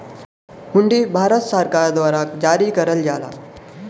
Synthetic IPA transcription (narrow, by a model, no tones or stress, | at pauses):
muɳɖiːbʱaɾət̪səɾkaɾd̪ʋaɾakd͡ʑaɾiːkəɾəld͡ʑala̰